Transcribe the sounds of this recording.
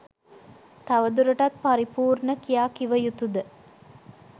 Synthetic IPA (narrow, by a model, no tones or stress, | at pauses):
t̪ɐʋəd̪uɾəʈɐt̪̚paɾipuːɾɳəkijaːkiʋəjut̪ud̪ə